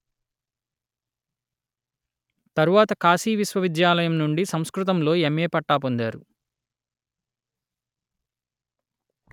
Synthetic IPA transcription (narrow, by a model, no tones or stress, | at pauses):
t̪ɐɾuʋaːt̪ɐkaːsiːʋisʋɐʋid̪jaːlɐjɐmnuɳɖisɐmskɾut̪̬ɐmlo̞ːemːeːpɐʈːaːpond̪aːɾu